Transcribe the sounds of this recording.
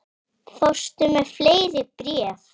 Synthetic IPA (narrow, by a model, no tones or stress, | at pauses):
fost̪ʏmɛð̥fleːjɾɪpɾjɛːv